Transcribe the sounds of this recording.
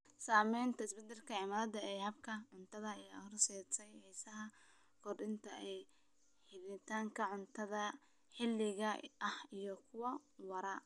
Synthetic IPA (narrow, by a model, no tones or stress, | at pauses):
saːmɛjnt̪ʰɐɪsbɛd̪ɛlkʰɐʕɪmaːðɐd̪ɐɛjhɐbkʰɐʕʊnt̪ʰɐðɐɛjhɔrsɛːsɛjhɛːsɐɦɐ | kʰɔrdɪnt̪ʰɐʔɛj | ħɪβnɪt̪ʰaːŋkʰɐʕʊnt̪ʰɐðɐ | ħɪlːɪɣɐɐhijɔkʰʊwɐwɐɾɐ